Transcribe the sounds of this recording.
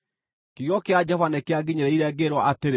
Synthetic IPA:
kiɣjɔkead͡ʒɛfanekeaɡiɲeɾɛiɾɛɡeɾwɔʔateɾe

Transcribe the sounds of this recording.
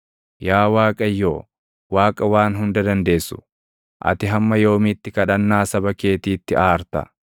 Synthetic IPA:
jaːwaːkʼɐjːoː | waːkʼɐwaːnɦʊnd̪ɐd̪ɐnd̪e̞ːsːʊ̥ | ʔɐ̰t̪ɪɦɐmːɐjo̞ːmɪt̪ːɪkɐᶑɐnːaːsɐbɐke̞ːt̪iːt̪ːɪaːɾt̪ɐ̰

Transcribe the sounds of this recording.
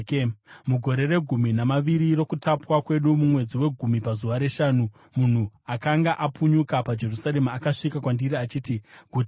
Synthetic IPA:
muɡʱo̞ɾe̞re̞ɡʱuminamaʋiɾiɾo̞kutapwakwe̞ɗumumwe̞d͡ziwe̞ɡʱumipazuʋaɾe̞ʃaːnu | mun̤uakaŋɡaʔapuɲukapad͡ʒe̞rusaɾe̞muakaʂikakwandiɾiat͡ʃiːtiɡʱut

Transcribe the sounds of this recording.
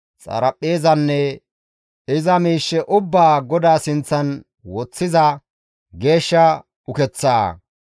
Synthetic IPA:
t͡sʼɐ̰ɾɐpʼːe̞ːzɐnːɛ | ɪzɐmiːʃːɛʔʊbːaːɡɔd̪aːsɪnt͡sːɐn | wɔt͡sːɪzɐ | ɡe̞ːʃːɐ | ʊkɛt͡sːaː

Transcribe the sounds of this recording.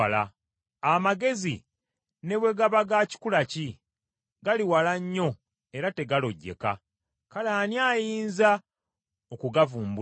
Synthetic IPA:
la̰ | amaɡe̞zi | ne̞βwe̞ɡaβaɡaci̥kulaci | ɡaliwalaɲːo̞ | e̞ɾate̞ɡalo̞ɟːe̞̰ka̰ | kalaːnjaːjiːnza | okuɡavuːmbu

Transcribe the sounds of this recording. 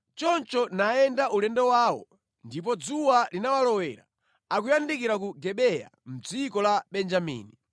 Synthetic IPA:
t͡ʃɔnt͡ʃɔnaɛndaʔulɛndɛwaːwɔ̰ | ndip̬ɔd͡zuwalinawalɔwɛɾa̰ | akujandik̬iɾak̬uɡɛɓɛja̰m̩d͡zikɔlaɓɛnd͡ʒamḭːni

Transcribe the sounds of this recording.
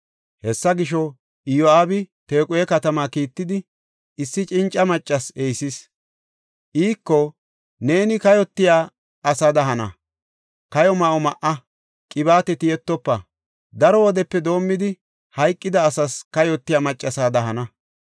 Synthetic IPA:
hɛsːɐɡɪʃ̬ɔ | ɪjɔaːbɪt̪e̞ːkʼʊjɛkɐt̪ɐmaːkiːt̪ːɪd̪ɪ | ɪsːɪt͡ʃʼɪnt͡ʃʼːɐmɐt͡ʃʼːɐsejsɪs | ʔiːkːɔ | ne̞ːnɪkɐjɔt̪ːɪjaː | ɐsɐd̪ɐɦɐnɐ̰ | kɐjɔmɐʔɔmɐʔɐ | kʼɪbaːt̪ɛt̪ɪjɛt̪ːɔpːɐ | d̪ɐɾɔwɔd̪ɛpːɛd̪o̞ːmːɪd̪ɪ | hɐjkʼːɪd̪ɐːsɐskɐjɔt̪ːɪjaːmɐt͡ʃʼːɐsaːd̪ɐɦɐnɐ

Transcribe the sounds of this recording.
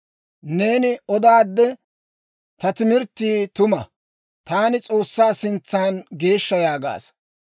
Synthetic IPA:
ne̞ːnɪɔd̪aːd̪ːɛ | t̪ɐt̪ɪmɪɾt̪ːiːt̪ʊmɐ | t̪aːnɪt͡sʼo̞ːsːaːsɪnt͡sːaːnɡe̞ːʃːɐjaːɡa̰ːs

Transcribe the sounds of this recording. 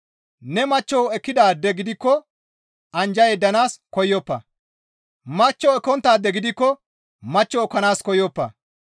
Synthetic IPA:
nɛmɐt͡ʃːɔwɛkːɪd̪aːd̪ːɛɡɪd̪ɪkːɔ | ʔɐnd͡ʒɐjɛd̪ɐnaːskɔjːɔpːɐ̰ | mɐt͡ʃːɔɛkːɔnt̪ːaːd̪ːɛɡɪd̪ɪkːɔ | mɐt͡ʃːɔːkːɐnaːskɔjɔpːɐ̰

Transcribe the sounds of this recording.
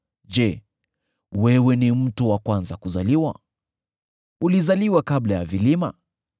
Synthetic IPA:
d͡ʒɛ | wɛwɛnim̩tuwakwanzakuzaliwa̰ | ulizaliwakablajavilima̰

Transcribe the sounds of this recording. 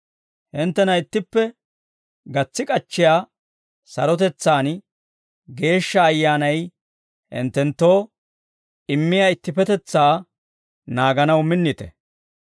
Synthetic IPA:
hɪnt̪ːɛnɐɪt̪ːɪpːɛ | ɡɐt͡sːɪkʼɐt͡ʃːɪjaː | sɐɾɔt̪ɛt͡sːaːn | ɡe̞ːʃːɐːjːaːnɐj | hɪ̰nt̪ːɛnt̪ːo̞ː | ɪmːɪjaːɪt̪ːɪpɛt̪ɛt͡sːaː | naːɡɐnɐwmɪnːɪt̪ɛ̰

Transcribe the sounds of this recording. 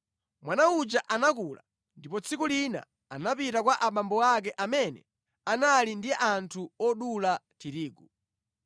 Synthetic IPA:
mwanaud͡ʒaʔanakula̰ | ndipɔt͡sʰikulina̰ | anapitakwaʔaɓambɔakɛʔamɛnɛ̰ | analindiʔantʰuɔɗulatiɾiːɡu

